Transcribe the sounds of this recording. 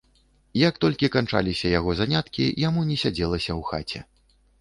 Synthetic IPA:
jɐk̚t̪ɔlʲkʲikant͡ʂa̰lʲisʲɐjaɣɔzanʲat̪kʲḭjamunʲɛsʲad͡zʲɛlˠɐsʲɐwxa̰t͡sʲɛ̰

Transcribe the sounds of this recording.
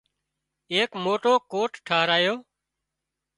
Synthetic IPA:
eːkmoːʈoːkoːʈʈʰaːɾaːjoː

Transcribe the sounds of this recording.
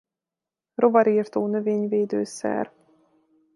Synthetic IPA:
ro̞vɒɾiːrt̪oːnø̞veːɲveːd̪øːsɛ̰r

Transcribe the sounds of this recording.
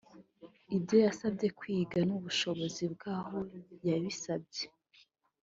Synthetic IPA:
ibjo̞jasabɟe̞kwiːɡanuβuʃo̞βo̞zibɡaːho̞jaβisab̚ɟe

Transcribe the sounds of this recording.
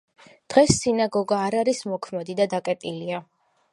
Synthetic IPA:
d̪̥ʁɛsːinaɡɔɡaːɾaɾismɔkʰmɛd̪id̪ad̪akʼɛt̪ʼilia

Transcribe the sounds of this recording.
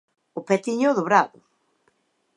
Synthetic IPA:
ʊpet̪iɲʊðʊβɾaðʊ

